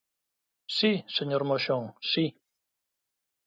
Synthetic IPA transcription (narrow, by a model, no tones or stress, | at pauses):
siseɲɔɾmoʃɔŋsi